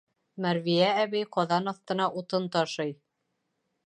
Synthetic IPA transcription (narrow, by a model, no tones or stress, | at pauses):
mæɾvijææβɘjqɒðɑnɑθt̪ɤ̆nɑʔut̪ɤnt̪ɑʃɤj